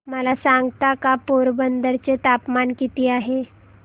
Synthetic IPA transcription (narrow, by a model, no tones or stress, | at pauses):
məlasãŋɡt̪akapoɾbənd̪əɾt͡set̪apmankit̪iːaɦe